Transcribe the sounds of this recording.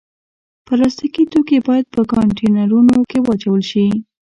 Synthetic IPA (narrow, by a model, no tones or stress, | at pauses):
pəlɑst̪ikit̪okebɑjad̪̚pəkɑɳʈenaɾunokewɑt͡ʃawəlʃi